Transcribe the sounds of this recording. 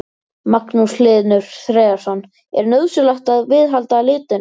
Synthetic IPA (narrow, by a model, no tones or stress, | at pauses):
maknuslɪːðnʏɾ̥θɾɛːaɾ̥sɔnː | ɛɾnœːðsʏlaht̪aðvɪðɦalt̪alɪːt̪ʏn